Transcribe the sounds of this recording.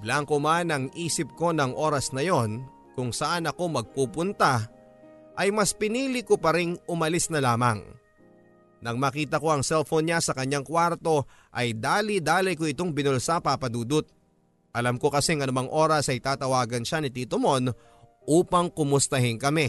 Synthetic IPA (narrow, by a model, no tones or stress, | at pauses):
blaŋkomanɐŋʔiːsɪp̚ko̞nɐŋʔo̞ːɾɐsnɐjo̞n | kʊŋsɐʔanɐko̞mɐɡ̚puːpʊnt̪a | ʔɐjmɐspɪniːlɪkopɐɾɪŋʔʊmɐlɪsnɐlaːmɐ̰ŋ | nɐŋmaːkiːt̪ɐko̞ɐŋsɛlfonɲasɐkɐɲːaŋkwaɾt̪o̞ | ʔɐjd̪aːlɪd̪aːlɐjkoɪt̪o̞ŋbɪnolsapapɐd̪uːd̪ʊt̪̚ | ʔɐlamko̞kɐsɛŋɐnʊmaŋʔo̞ːɾɐsɐjt̪aːt̪ɐwaːɡɐnʃanɪt̪iːt̪omo̞n | ʔuːpɐŋkʊmʊst̪ɐɦɪnkɐmɛ